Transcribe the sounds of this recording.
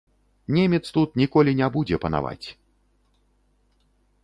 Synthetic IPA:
nʲemʲɛt̪st̪ut̪̚nʲikɔlʲinʲɛbud͡zʲɛpɐna̰va̰t͡sʲ

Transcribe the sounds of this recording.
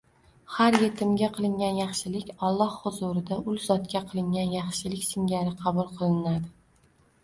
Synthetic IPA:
haɾje̞t̪ʰɪmɡʲaqʰɨlˠɪŋɡʲanjɑχʃɪlɪkʲɒlˠːɒhhʊzʊɾɪd̪aʔʊlˠzɒt̪kʲaqʰɨlˠɪŋʲanjɑχʃɪlɪkʲsɪŋɡʲaɾɪqʰɑbʊlˠqʰɨlˠɪnad̪ɪ

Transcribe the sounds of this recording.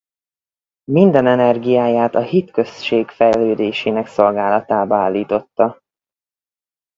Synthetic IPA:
mind̪ɛnɛnɛrɡijaːjaːt̪ɒhit̪kø̞sʃeːkfɛjløːd̪eːʃeːnɛkso̞lɡaːlɒt̪aːbɒaːlːiːt̪o̞t̪ːɒ

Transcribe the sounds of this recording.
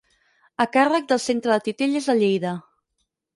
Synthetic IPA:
əkarək̚d̪əlˠsent̪ɾəðət̪it̪eʎəzðəʎejðə

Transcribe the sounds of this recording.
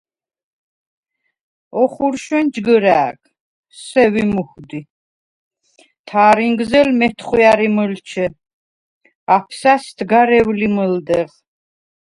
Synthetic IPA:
ɔχuɾʃwɛnd͡ʒɡəɾaːkʰ | sɛvimuxd̪i | t̪ʰaːɾiŋɡzɛlmɛt̪ʰχwjaɾiməlt͡ʃʰɛ | apʰsasd̪ɡaɾɛvliməld̪ɛʁ

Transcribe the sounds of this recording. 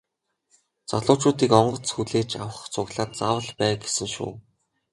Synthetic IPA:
t͡sɔɮʊːt͡ɕuːt̪iːkɔɴɢɞ̆t͡sxuɮeːt͡ɕʰawə̆χt͡sʰʊɣɮaːt̪̚t͡saːwə̆ɮpæːɡesɘ̆ŋʃṵː

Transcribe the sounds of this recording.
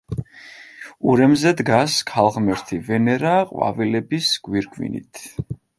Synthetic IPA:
uɾɛmzɛd̪ɡaskʰalˠʁmɛɾt̪ʰivɛnɛɾaqʼwa̰vilɛbisɡ̥wiɾɡʰʼvḭnḭt̪ʰ

